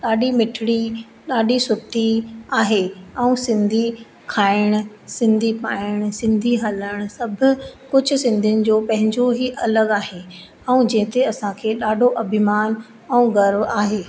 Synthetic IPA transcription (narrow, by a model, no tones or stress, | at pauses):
ɗaːɗimɪʈʰɪɽi | ɗaːɖʱisʊt̪iaːɦeɛũsɪ̃nd̪ʱi | kʰaːɪɽ̃ʊ̆ | sɪ̃nd̪ʱipaːɪɽ̃sɪ̃nd̪ʱiɦɐləɽ̃ʊsɐbʱʊ̆kʊd͡ʑʱʊ̆sɪ̃nd̪ʱijʊnɪ̆d͡ʑoːpɐ̃ɦɪ̃ɲd͡ʑoɦiʔɐləɠaːɦe | ɛũd͡ʑɛ̃ɦɪ̃t̪eɐsãkʰeːɗaːɖʱoʔɐbʱɪmaːn | ɛũɡɐɾʋaːɦeː